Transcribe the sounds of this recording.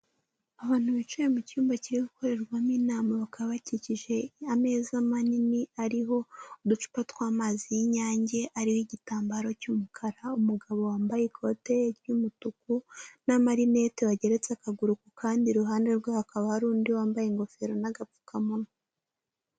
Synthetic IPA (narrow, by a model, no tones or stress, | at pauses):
aβaːn̥huβit͡ʃujemucuːmbaciɾiɡuko̞ɾe̞ɾɡwamiːnaːmaβakaaβaciciʒe̞ame̞ːzamaniniaɾiɦo̞udut͡ʃu̥patwaːmaːzijiɲaːɲɟe̞ʔaɾihoiɟitaːmbaɾo̞cumukʰaɾaumuɡaβo̞waːmbajekʰo̞te̞ɾjumutukunamaɾine̞teβaɟe̞ɾe̞t͡sakaɡuɾukukʰaːndiɾuɦaːnde̞ɾɡwahakaβahaɾuːndiwaːmbajeŋɡo̞fe̞ɾo̞naɡap͡fu̥kamuno